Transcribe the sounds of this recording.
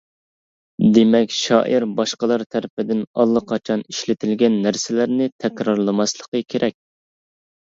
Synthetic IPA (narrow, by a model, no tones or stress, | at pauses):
d̪emɛkʲʃɑ̰ːʔiɾbɑʃqəlˠɑɾt̪ʰæɾɪpɪd̪ɪnɑlˠːəqʰɑt͡ʃʰɑni̥ʃlɪt̪ʰɪlɡʲɛnːæɾsɪlæɾnɪt̪ʰɛkʲɾɑɾlˠɨmɑslˠə̥qəkʲʰeɾʔɛk̚ʲ